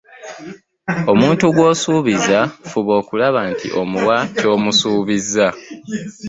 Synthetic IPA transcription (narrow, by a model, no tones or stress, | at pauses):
o̞muːntuɡwo̞ːsuːβizafuβo̞ːkulaβantʰḭʔo̞muwaco̞ːmusuːβiza